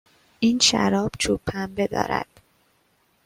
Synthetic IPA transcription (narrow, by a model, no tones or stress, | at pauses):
ʔiːnʃæɾɒːb̥t͡ʃʰupʰːæmbed̪ɒ̰ːɾæ̰d̪̥